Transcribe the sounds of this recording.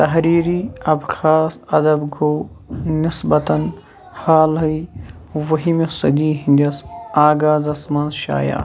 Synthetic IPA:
t̪ɐɦɾiːɾiɐbxaːsɐd̪ɐbɡoː | nɪsbɐt̪ɐn | haːlɦɐiʋɐɦimesɐɡiːɦĩnd̪ɐsaːɡaːzɐsmaːnzʃa̰ːja̰ː

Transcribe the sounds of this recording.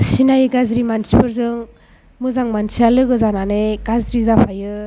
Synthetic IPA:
sinajɯɡazɾimansipʰɯɾzɯŋ | mɯzaŋmansialɯɡɯzananeɡ̥azɾizapʰajɯ

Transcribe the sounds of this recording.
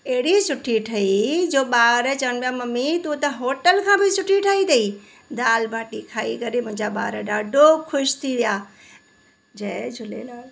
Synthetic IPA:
eɦɪɽisʊʈʰiʈʰɐid͡ʑoːɓaːɾət͡ɕɐʋəñpjamɐmit̪uːt̪ɐɦoːʈəlkʰãːbʱɪsʊʈʰiʈʰaːit̪ɐi | d̪aːlbʱaːʈikʰaːikɐɾemʊ̃ɦɪ̃ɲd͡ʑaɓa̰ːɾəɗaːɖʱokʰʊʃt̪ʰiʋijaː | d͡ʑɐd͡ʒʱʊlḛlaː

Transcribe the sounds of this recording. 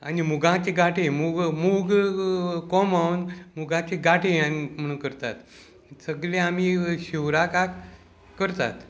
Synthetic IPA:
a̰nimuɡãt͡ɕeɡaʈʰemuɡmuɡ | kɔmawnmuɡãt͡ɕeɡaʈʰeanim̤əɽ̃ũːnkəɾt̪at̪ | səɡɭẽam̤iɕiwɾakak | kːəɾt̪a̰t̪

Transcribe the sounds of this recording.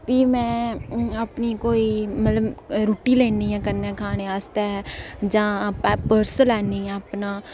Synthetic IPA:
piːmɛ̃ːəpniːkoːiːmət̪ləbɾuːʈiːleːniːɛ̃ːkənɛ̃ːkʰaːneːaːst̪eːd͡ʒãːpəɾsəlɛːnĩːɛ̃ːpnaː

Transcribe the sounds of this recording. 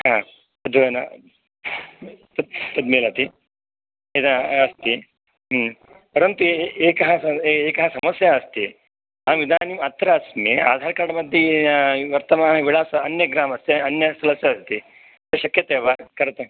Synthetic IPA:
ɦãː | ɐd̪ʱʋɐɐnɐ | pɐpɐd̪meːlɐːt̪i | ed̪ɐːst̪i | pɐɾɐnt̪ueːkɐɦɐɐeːkɐɦɐsɐmɐsjɐːst̪i | aːʋid̪ʱaːnimɐt̪ɾaːsmea̰ːd̪ʱaːɾkaːɽɐmɐd̪ʱjiʋɐɾt̪ɐmaːɦɐʋiɭaːsɐɐnjɐɡɾaːmɐst̪iɐnjɐsɐlɐsjɐɐst̪i | t̪ɐʃɐkjɐt̪eːʋɐkɐɾɐt̪ɐ

